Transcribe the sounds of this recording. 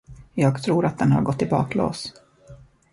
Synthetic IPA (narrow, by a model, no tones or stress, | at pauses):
jɑːɡt̪ʰɾuːɾat̪̚d̪ɛnha̰ɾɡɔt̪ːɪbɑ̰ːklo̰ːs